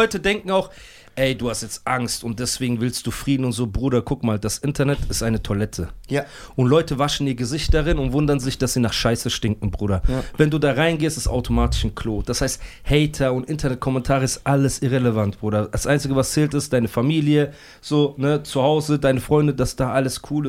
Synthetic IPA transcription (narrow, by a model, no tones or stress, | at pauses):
ɔʏtədɛŋkŋ̩aʊx | ʔɛɪduːhastjɛt͡stʔaŋstʊnt̚d̥ɛsv̥eːɡŋ̩vɪlstd̥uːfʁ̥iːdn̩ʊntz̥oːbʁuːɾɐkʰʊkmaːldasʔɪntɐnɛtʰɪstʔaɪnətʰolɛtʰəʔʊntlɔʏtəvaʃn̩iːɐɡəzɪçt̚d̥aʁɪnʊntv̥ʊndɐnzɪçd̥asz̥iːnaːχʃaɪsəʃtɪŋk̚ŋ̩bʁuːɾɐvɛnduːdaːʁaɪnɡeːstɪ̥sta̰ʊtʰomaːtɪ̥ʃn̩kʰl̥oːd̥ashaɪst | hɛɪtʰɐʊntʔɪntʰɐnɛt̚kʰɔmɛntʰaːʁəɪstʔaləsʔɪʁeləvant̚b̥ʁuːɾɐd̥asʔaɪnt͡sɪɡəvast͡sɛːltɪstd̥aɪnəfamiːljə | z̥oːnət͡suhaʊzədaɪnəfʁ̥ɔʏndədasd̥aːʔaləskʰuːl